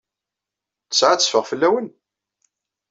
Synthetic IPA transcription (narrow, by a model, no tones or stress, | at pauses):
θə̥sʕat͡sːəfəʁfəlːæwən